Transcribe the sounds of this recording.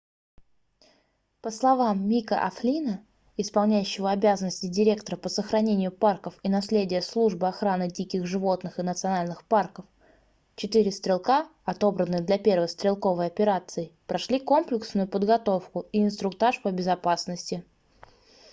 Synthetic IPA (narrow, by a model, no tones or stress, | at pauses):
pəslˠɐvamːʲikə̰ʔɐ̰flʲinə | ɪspɐlˠnʲæjʉɕːɪvəɐbʲæzənəsʲtʲɪdʲɪɾʲe̞kt̪əɾəpəsəxɾɐnʲenʲɪjʊparkəfinɐslʲedʲɪjəslˠuʐbɨɐxɾanɨdʲikʲɪxʐɨvo̞t̪nɨxɨnət̪sɨɐnalʲnɨxparkəf | t͡ɕɪt̪ɨɾʲɪst̪ɾʲɪlˠkaɐt̪o̞bɾənːɨd̪lʲɐpʲe̞rvəjst̪ʲɾʲɪlˠko̞vəjɐpʲɪɾat̪sɨɪpɾɐʂlʲiko̞mplʲɪksnʊjʊpəd̪ɡɐt̪o̞fkʊiɪnst̪ɾʊkt̪aʂpəbʲɪzɐpasnəsʲtʲɪ